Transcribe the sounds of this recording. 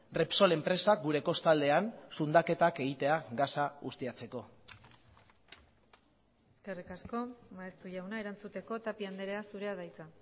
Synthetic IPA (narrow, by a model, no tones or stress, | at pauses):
repso̞le̞mpɾe̞saɡuɾe̞ko̞st̪ald̪e̞ansund̪ake̞t̪ake̞ɣit̪e̞aɡasaɣust̪iat͡se̞ko̞ | eske̞rikasko̞maest̪uʝawnaeɾant͡sut̪e̞ko̞t̪apiand̪eɾeasuɾe̞aðajt͡sa